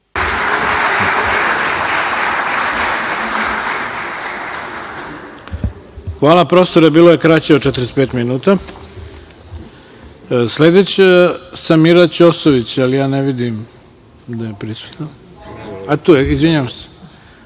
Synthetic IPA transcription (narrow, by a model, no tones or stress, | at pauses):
xʋaːlˠapɾost̪oɾebiːlˠoje̞kɾat͡ɕeot͡ʃet̪ɾespe̞ːt̪minuːt̪a | sled̪et͡ɕesamiɾat͡ɕosoʋit͡ɕalijaːneʋid̪im | d̪ajepɾisu̥t̪nan | at̪uːjeizʋiɲaamse̥